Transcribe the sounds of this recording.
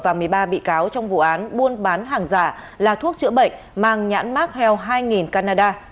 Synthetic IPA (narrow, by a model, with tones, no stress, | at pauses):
vaː˨˩mɨ˨˩əjɓaː˧ɓḭ˧˨kaː˨˦wt͡ɕɔ˧wŋ͡mvṵ˧˨ʔaː˨˦nɓu˧ənɓaː˨˦nɦaː˨˩ŋzaː˧˩ | laː˨˩t̪ʰu˦˥ək̚t͡ɕɨ̰˧˥əɓə̰˧˨jŋ̟ | maː˨˧˩ŋɲa̰ː˧˥nmaː˦˥t̚hɛ˧wɦaː˧jŋi˨˩nkaː˧naː˧ɗaː˧